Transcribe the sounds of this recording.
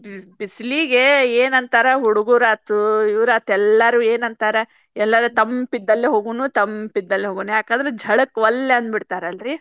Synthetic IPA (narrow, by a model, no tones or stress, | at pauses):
bisliɡeeːnɐnt̪aːɾɐɦuɽuɡuɾaːt̪uuʋɾaːt̪ɛlːɐɾuːeːnɐnt̪aːɾe | ɛlːɐɾut̪ɐmpid̪ːɐlːeɦoːɡuːnuːt̪ɐmpid̪ːɐlːeɦoːɡuːnjaːkaːd̪ɐɾed͡ʒʱɐɽɐkːʋɐlːeɐnd̪biɽt̪aːɾeɐlɾi